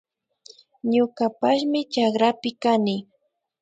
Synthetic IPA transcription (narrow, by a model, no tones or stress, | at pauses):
ɲʊkapaʃmɪt͡ʃakɾapɪkanɪ